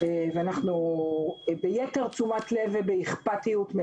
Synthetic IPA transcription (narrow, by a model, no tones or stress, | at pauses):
eveanaχnu | bejete̞ʁt͡sumatle̞vebeiχpatijutme